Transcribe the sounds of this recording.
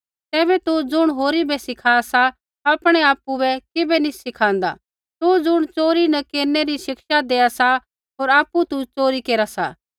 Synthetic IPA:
t̪ɛːbɛt̪ud͡zʊɽ̃ɦoːɾibɛsɪkʰaːsa | ɐːpɽ̃eaːpubɛkɪbɛnisɪkʰãːnd̪a̰ | t̪ud͡zʊɽ̃t͡ʃoːɾinɐkeːɾneɾiʃɪkʃad̪eːasa | ɦoːɾaːpːut̪ut͡ʃoːɾikeːɾasa̰ː

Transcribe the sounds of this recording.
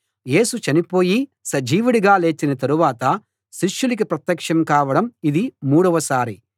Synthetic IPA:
je̞ːsut͡ʃɐnipo̞ːjisɐd͡ʒiːʋuɽiɡaːle̞ːt͡ʃinɐt̪ɐɾuʋaːt̪ɐ | ʃiʂjulik̬ipɾɐt̪jɐkʂɐmkaːʋɐɽɐmid̪imuːɽɐʋɐsaːɾi

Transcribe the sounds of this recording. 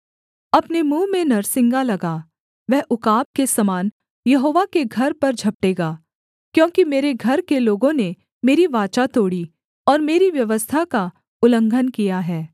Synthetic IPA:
ɐpnemũːmẽnɐɾsɪ̃ŋɡalɐɡaː | ʋɛɦʔʊkaːb̚kesɐmaːn | jɐɦoːʋakeɡʱɐɾpɐɾd͡ʒʱɐp̚ʈeːɡaː | kjõːkimeːɾeɡʱɐɾkeloːɡõne | meːɾiʋaːt͡ʃat̪oːɽi | ɔːɾmeːɾiʋjɐʋəst̪ʰaka | ʊlə̃ŋɡʱənkijaɦɛː

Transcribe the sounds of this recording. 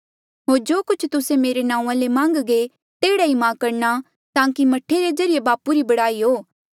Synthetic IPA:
ɦoːɾd͡ʒoːkʊt͡ʃʰt̪ʊsemeːɾenãːũãlemãːŋɡɡe | t̪eːɽaimãːkɐɾna | t̪ãːkimɐʈʰːeɾed͡ʒɐɾɪjebaːpuɾibɐɽaːiɦoː

